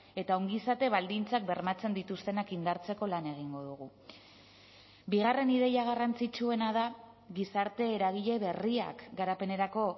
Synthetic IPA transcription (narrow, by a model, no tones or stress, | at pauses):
e̞t̪ao̞ŋɡisat̪e̞βald̪int͡sak̚be̞ɾmat͡se̞nd̪it̪ust̪e̞nakind̪aɾt͡se̞ko̞lane̞ɣ̞iŋɡo̞ð̞uɣ̞u | biɣare̞niðe̞jaɣ̞arant͡sit͡ʃue̞nað̞a | ɣisaɾt̪e̞ːɾaɣ̞iʎe̞βe̞ria̰kɡaɾape̞ne̞ɾako̞